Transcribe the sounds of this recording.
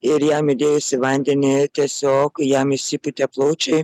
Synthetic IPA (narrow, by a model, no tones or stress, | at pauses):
ɪɾjæːmɪd̪ʲeːjʊsʲɪʋɐnʲd̪ʲɛnʲɪt̪ʲiɛsʲoːkjaːmʲɪsʲipʊt̪ʲɛplˠoːt͡ʃʲɛɪ